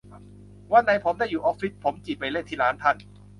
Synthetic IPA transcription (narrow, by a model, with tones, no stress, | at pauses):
waː˧˥˩na˧jpʰo˩˦mdaː˥˩jːuː˨˩ʔɔː˦˥k̚fi˦˥t̪̚pʰo˩˦mt͡ɕiː˨˩pa˧jle˥˩nt̪ʰiː˥˩laː˦˥nt̪ʰa˥˩n